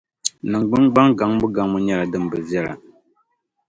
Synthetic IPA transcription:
nɨ˨ŋ͡mɡ͡bɨ˦ŋɡ͡ba˦ŋɡa˨˦ŋbu˦ɡa˨˦ŋbʊ˦ɲɛ˦la˨dɨ˦m˨bɨ˨vjɛ˦la̰˨

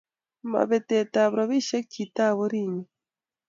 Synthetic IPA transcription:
ma̰˨βe˨te˨ta˨βɾa˨βi˦ʃe˦kita˦βo˦ɾiː˨ɲi

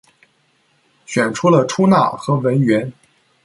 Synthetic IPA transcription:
ɕɥɛ˨˩nʈ͡ʂʰu˥lə˨ʈ͡ʂʰu˥na˥˩xɤ˧˥wə˧˥nɥɛ˧˥n

